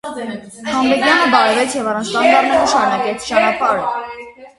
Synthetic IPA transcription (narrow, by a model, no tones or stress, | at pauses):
hʰɑmbɛkjɑnəb̪ɑɾɛvɛt͡sʰjɛvɑrɑnt͡ʃʰst̪ɑnd̪ɑrnɛɾəʃɑɾunɑkɛt͡sʰt͡ʃɑnɑpɑɾə